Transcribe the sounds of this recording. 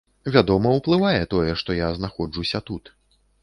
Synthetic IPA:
vʲad̪ɔmɐwplˠɨvajɛt̪ɔjɛʂt̪ɔjaznaxɔd͡ʐusʲɐt̪ut̪

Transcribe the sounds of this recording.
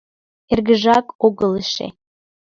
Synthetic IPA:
erɣəʒɑkoɣələʃḛ

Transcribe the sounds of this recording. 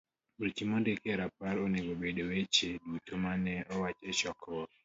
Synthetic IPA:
uɾt͡ʃimondekɾapaɾoneɡobedowet͡ʃedutomanɛɔwat͡ʃɛʃɔkwɔ

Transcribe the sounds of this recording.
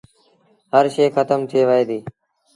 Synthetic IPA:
həɾʃeːxət̪əmt̪ʰeːʋəɦeːd̪iː

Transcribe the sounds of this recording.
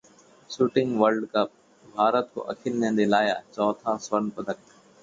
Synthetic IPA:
suːʈɪ̃ŋɡʋəlɖkəp̚ | bʱaːɾət̪̚kʰo̰ːʔəkʰɪlnẽːnd̪eːlaːjaːt͡ʃɔːt̪ʰãːsʋənpəd̪ʱək̚

